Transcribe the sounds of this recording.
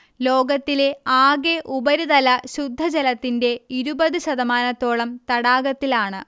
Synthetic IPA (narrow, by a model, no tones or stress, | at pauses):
lo̞ːɡɐt̪ːile̞aːɡe̞ʔubɐɾuðɐlɐɕud̪ʱːɐd͡ʑɐlɐt̪ːinde̞iɾubɐðɨɕɐðɐmaːnɐt̪ːo̞ːɭɐmt̪ɐɽaːɡɐt̪ːilaːɳɨ